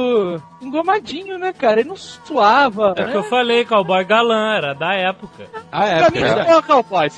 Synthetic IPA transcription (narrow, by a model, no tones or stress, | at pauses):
ĩɡomad͡ʒĩɲʊnɛkaɾɐelɪnɐ̃w̃su̥t̪uavɐɛkɛɪewwfalejkawbɔjɡalɐ̃ɛɾɐd̪ɐɛpʊkɐaɛpɾɐmĩkawbajs